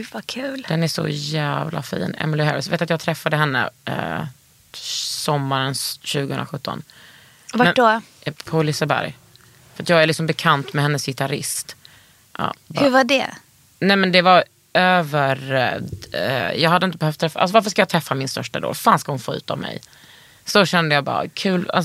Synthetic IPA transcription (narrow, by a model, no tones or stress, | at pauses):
ʉvakʰʉ̟ːld̪ɛnæʂɔ̰jæːvlʔa̰fḭːnɛ̰mɪlɪhɛ̰ɾɪsveːt̪at̪jɑːɡt̪ʰɾɛfːad̪əɦɛnːə̰ | sɔmːaɾənsɕʉ̟ːɡəhɵnɾaɧɵt̪ːɔ̰n | vamɛɖɔpʰɔlɪsəbæ̰ɾj | fəɾat̪jɑːɡæɾlɪksɔmbɛkʰant̪mɛhɛnːəshɪt̪aɾɪ̰st̪ | ʔɑ̰ːbhɵvaɖɛ̰ | nɛmɛnd̪ɛvaɾ | øːvəɾ | jɑːhad̪ːəɪnt̪əbɛhœft̪ʰːɾɛfaa̰lsɔvaɾfəʂkajɑːt̪ʰɾɛfːamɪnst̪œʂʈad̪o̰ːlfaːnskahʊnfoːʉ̟ːt̪a̰vmʔɛ̰j | sɔɕɛnd̪əjɑːbɑ̰ːɾa̰kʰʉ̟ːla̰s